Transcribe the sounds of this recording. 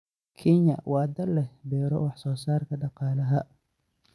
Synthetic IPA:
kʰɛɲɐ̰wɑːd̪ɐlɛbɛːɾɔ̰wɑħsɔːsaːrkʰɐɖɑqɑːlɐɦɐ

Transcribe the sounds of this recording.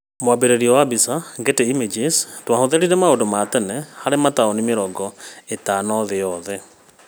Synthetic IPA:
mwabeɾeɾiɔwabisaɡeteimed͡ʒestwahoðeɾiɾɛmaondomaːtɛnɛhaɾemataonimeɾɔɡɔetanɔðeɔðɛ

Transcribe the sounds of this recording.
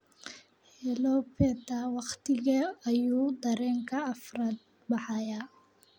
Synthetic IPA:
hɛlɔpʰɛt̪awɑqt̪ʰɪɣɐːjuːd̪ɐɾɛːŋkʰɐːfraːd̪̚ | bɑħɑjaː

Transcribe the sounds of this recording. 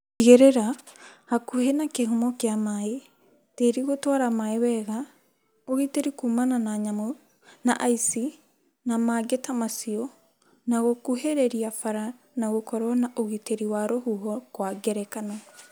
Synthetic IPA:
iɣeɾeɾahakuhenakehomɔkjamae | teɾiɣotwaɾamaewɛːɣa | oɣiteɾikumananaɲamo | naʔaisi | namaɡetamasiɔ | naɣokuheɾɛɾiafaɾa | naɣokɔɾɔnaʔoɣiteɾiwaɾohuɦɔkwaɡɛɾɛkanɔ

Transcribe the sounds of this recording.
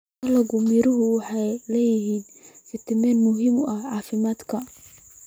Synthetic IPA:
ɐlɐɣʊmiɾʊɦʊwɑħɑjlɛːjɪɦiːnkɪt̪ʰɪmɛːnmʊɦɪmʊʔɐʕɑːfɪmaːd̪kʰɐ

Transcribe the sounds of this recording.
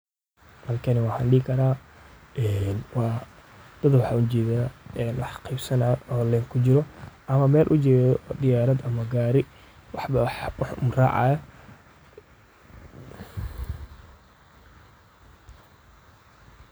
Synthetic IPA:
mɐrkʰɐnɪwɑːħɐnɖiːkʰɐɾaːʔɛːnwɑː | d̪̥ɐd̪wɑħɑʊd͡ʒɛːðaɛːnwɑħqʰijbsɐnaɔːlɛːŋkʰʊt͡ʃɪɾɔʔɐmɐmɛːlʔʊt͡ʃɛːðɔɖ̪ɪjaːɾɐd̪ɐmɐɡaːɾɪ | wɑħbɐwħʊmra̰ːʕɑ̰jɐ

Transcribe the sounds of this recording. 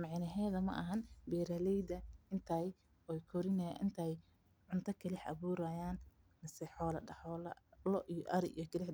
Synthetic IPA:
mɑʕnɐɦɛːðɐmɐ̰ʔɐ̰ɦɐnbiːɾɐlɛjd̪ɐɪnt̪ʰɐj | ɔjkʰɔɾɪnɛɪ̰nt̪ʰɐj | ʕʊnt̪ʰɐkʰɐlɪħʔɐ̰βuːɾɐjaːn | mɐsɛħɔːlɐɖɐħɔːlɐ̰lɔʔijɔʔɐɾɪʔḭjɔkʰɐlɪħ

